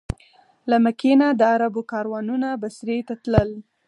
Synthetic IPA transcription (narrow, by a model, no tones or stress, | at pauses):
lamakinad̪əaɾabokɑɾwɑnunabasɾet̪at̪ləl